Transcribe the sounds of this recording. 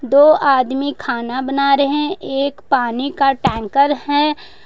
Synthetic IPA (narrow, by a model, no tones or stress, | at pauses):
d̪oːʔaːd̪mikʰaːnabənaːɾɐɦɛ̃eːkpaːnikaʈɛ̃ːŋkəɾhɛː